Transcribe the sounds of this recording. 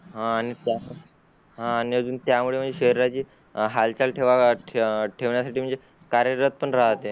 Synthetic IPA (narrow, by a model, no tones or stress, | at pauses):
ɦãːɽ̃it̪jam | ɦãːñiəd͡zuːnt̪jamuɭem̤əɳd͡zeɕeɾɾat͡ɕiː | ɦalt͡ɕalʈʰeʋa | ʈʰeʋɳjasaʈiːm̤əɳd͡ze | kaɾjəɾət̪̚pəɳɾaɦt̪e